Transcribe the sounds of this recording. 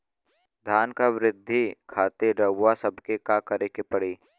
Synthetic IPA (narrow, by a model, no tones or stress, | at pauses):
d̪ʱaːnkaʋɾɪd̪ʱːikʰaːt̪eɾəʊasɐbʱkekakəɾekepɐɽiː